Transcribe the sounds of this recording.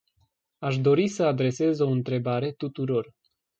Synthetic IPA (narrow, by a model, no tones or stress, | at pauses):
aʃd̪o̞ɾisəad̪ɾe̞se̞zo̞ɨnt̪ɾe̞baɾe̞t̪ut̪uɾo̞r